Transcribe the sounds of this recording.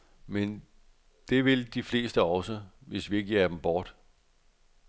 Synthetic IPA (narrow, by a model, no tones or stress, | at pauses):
men | d̥e̝ʋe̝ld̥ifle̝̰ːsd̥əɒ̽səʋe̝sʋie̝ɡ̥iæɐd̥em̩b̥ɒːd̥